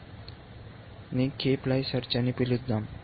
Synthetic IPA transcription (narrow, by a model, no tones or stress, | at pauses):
nikʰeplajsəɾt͡ɕanipilut̪̚d̪am